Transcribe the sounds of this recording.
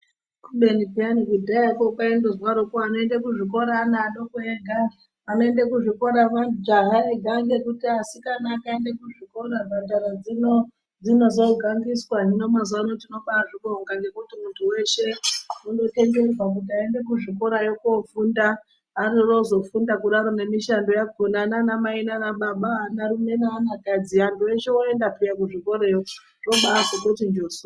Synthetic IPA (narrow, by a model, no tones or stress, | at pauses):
kuɓenipianikudʱaakokaendezwaɾokoano̞endekuʐiko̞ɾaːnaɗokueŋɡʱa | ano̞e̞ndekuʐiko̞ɾaʋand͡ʒaɦaeɡʱaŋɡe̞kutiasikanakaendekuʐiko̞ɾabʱadʱaɾad͡zino | d͡zino̞zoɡʱaŋɡiswaɦino̞mazanotino̞ɓaʐiɓoŋɡaŋɡe̞kutimuntʰuwe̞ʃe̞undote̞ŋɡe̞d͡zwak̬ut̬iaende̞kuʐiko̞ɾajokofundaː | riro̞zo̞fundakuɗaɾone̞miʃando̞jaɡʱonananamainanaɓaɓanaɾume̞naːnakad͡ziantue̞ʃewoe̞ndapijakuʐiko̞ɾejo | ro̞ɓaːkokot̬ind͡ʒoːso